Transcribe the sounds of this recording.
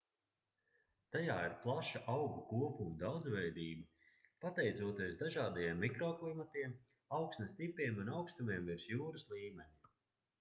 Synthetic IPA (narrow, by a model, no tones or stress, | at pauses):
t̪ajaːiɾplˠaʃaʔawɡukuɔpumud̪awd̪zvɛjd̪iːba | pat̪ɛjt̪suɔt̪iɛsd̪aʒaːd̪ajeɛmːikɾɔːklˠimat̪iɛm | awksnɐst̪ipʲiɛmunawkst̪umiɛmviɾsjuːɾɨslˠiːmɛnʲi